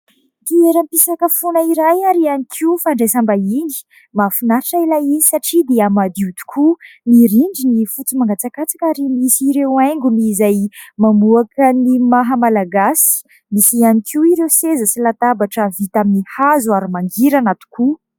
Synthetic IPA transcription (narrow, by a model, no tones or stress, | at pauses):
t̪ieɾampisakəfonaiɾajaɾianikʰiufaɳɖ͡ʐajsambaini̥ | mafunaɾaʈ͡ʂailajinisaʈ͡ʂid̪eamad̪iut̪u̥kʰumiɾiɳɖ͡ʐinifut͡simaŋɡat͡sakat͡sḁkaɾimisiɾewajŋɡumiːzajmamuakənimaɦəmalaɡasi̥ | misianikiuiɾewsezəsilat̪abaʈ͡ʂəvit̪aminihazuaɾimaŋɡiɾanat̪u̥kʰu